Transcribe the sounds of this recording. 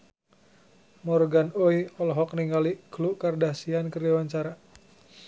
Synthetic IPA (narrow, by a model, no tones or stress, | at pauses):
mɔrɡanɔiɔlɔɦɔk̚niŋɡalikluʔkərdahsiankərdawaɲt͡ʃaɾa